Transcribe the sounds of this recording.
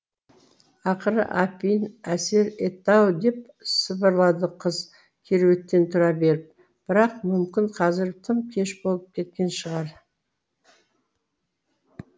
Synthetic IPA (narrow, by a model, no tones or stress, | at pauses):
ɑqəɾə̰ʔɑpijnæse̞ɾet̪ɑwd̪e̞p̚ | səbəɾlˠɑd̪əqʰəz | kʲʰe̞ɾwe̞t̪ːe̞nt̪ʰʊɾɑbe̞ɾɪp̚ | b̥ɪɾɑqmʏmkʲɪnqʰɑzɪɾt̪ʰəmkʲʰe̞ʃbo̞lˠəp̚kʲʰe̞t̪kʲe̞nʃəʁɑɾ